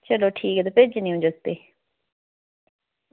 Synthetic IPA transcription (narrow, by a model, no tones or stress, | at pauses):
t͡ʃəloːʈʰiːkɛːt̪apɪd͡ʒnĩːʊ̃d͡ʒəst̪eː